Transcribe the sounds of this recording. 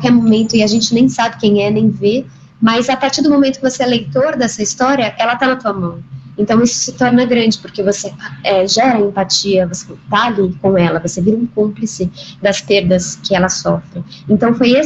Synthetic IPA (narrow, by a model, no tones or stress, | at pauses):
kawkɛɾmomẽnt̪ʊɪaʒẽnt͡ʃɪnẽj̃sabɪkẽj̃ɛnẽj̃ve | mɐzapaɾt͡ʃiɾd̪ʊmõmẽnt̪ʊ̥kɪvoseɛlejt̪oɾd̪ɛsɐist̪ɔɾiɐʔɛlɐt̪anɐt̪uɐmɐ̃w̃ẽnt̪ɐ̃w̃isʊ̥sɪt̪ɔɾnɐɡɾɐ̃d͡ʒɪpoɾkevoseɛʒɛɾɐẽmpat͡ʃiɐvose̥t̪aːlikõw̃ɛlɐvoseviɾɐũkõplisɪd̪ɐspeɾd̪ɐskɪɛlɐsɔfɾɪ | ẽnt̪ɐ̃w̃foje